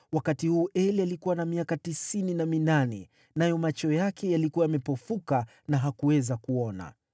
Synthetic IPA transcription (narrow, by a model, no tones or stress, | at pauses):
wakatihuːʔɛlialikuwanamiakatisininaminanɛ̰ | najɔmat͡ʃɔjakʰɛjalikuwajamɛpɔfuka | naɦakuwɛzakuɔna̰